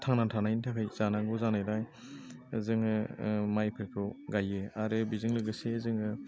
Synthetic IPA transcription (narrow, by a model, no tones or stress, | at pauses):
tʰaŋnatʰanajnitʰakʰajz̥anaŋɡɯzanajɾaj | zɯŋɯmajpʰekʰɔɡajɯaɾɯbizɯŋlɯɡɯsezɯŋɯ